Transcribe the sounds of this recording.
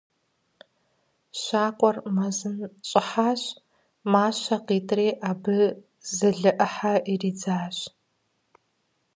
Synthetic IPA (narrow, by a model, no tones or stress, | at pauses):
ɕaːqʷʼɔrmɐzɨnɕʼɪħaːɕ | maːɕɐqiːtʰreːʔaːbɨ | zɐɮɨʔɐħaʔiriːd͡zaːɕ